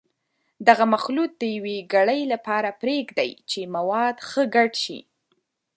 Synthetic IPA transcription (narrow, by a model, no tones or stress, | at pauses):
d̪aɣamaxlut̪̚d̪əjaweɡaɽəjlapɑɾapɾeɡd̪a̰jt͡ʃemawɑd̪xəɡaɖʃḭ